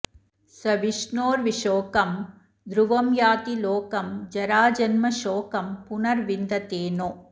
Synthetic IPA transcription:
sɐʋiʂnoːɾʋiʂoːkɐm | d̪ɾuʋɐmjaːt̪iloːkɐmd͡ʒɐɾaːd͡ʒɐnmɐʃoːkɐmpʊnɐɾʋind̪ɐt̪eːnoː

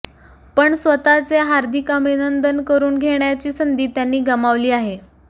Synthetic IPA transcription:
pəɳsʋət̪at͡seɦaɾd̪ʱikəbinənd̪ənkəɾuːnɡʱeɳjat͡ɕiːsənd̪iːt̪janːiːɡəmaʋliːaɦe

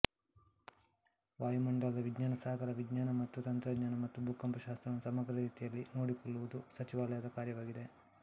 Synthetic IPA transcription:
ʋaːjumuɳɖɐlɐd̪ɐʋiɡɲaːnɐsaːɐɡɐɾɐʋiɡɲaːnɐmɐt̪ːut̪ɐnt̪ɾɐɡɲaːnɐmɐt̪ːubʱukːɐmpɐʃaːst̪ɾɐnusɐmɐɡɾɐɾiːt̪ijɐlːinoːɽikɔɭːuʋud̪usɐt͡ʃiʋaːlɐjaːd̪ɐkaːɾjɐʋaːɡid̪e̞

